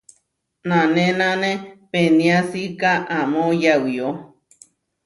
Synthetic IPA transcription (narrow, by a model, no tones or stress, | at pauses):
nãnẽnãnẽpenĩasikaʔamojawio